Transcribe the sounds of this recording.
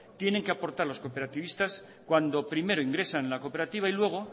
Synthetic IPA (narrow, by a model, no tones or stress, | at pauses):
t̪je̞ne̞ŋkeapo̞ɾt̪aɾlo̞sko̞pe̞ɾat̪iβ̞ist̪as | kwand̪o̞pɾime̞ɾoiŋɡɾe̞sanlako̞pe̞ɾat̪iβ̞ailwe̞ɣ̞o̞